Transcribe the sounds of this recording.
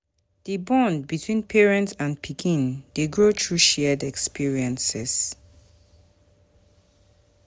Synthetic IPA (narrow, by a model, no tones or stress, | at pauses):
ð̥ibɔ̃ndbitʰwĩnpʰɛɹɛ̃ntsãnpʰikʰĩndeɡɹotʰɹuʃɛdɛkspʰiɹiə̃nsɛs